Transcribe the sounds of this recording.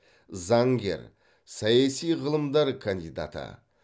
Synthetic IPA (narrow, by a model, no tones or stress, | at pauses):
zɑŋɡʲe̞̰ɾ | sɑjɑsijʁəlˠəmd̪ɑɾkʰand̪ijd̪a̰t̪ə̰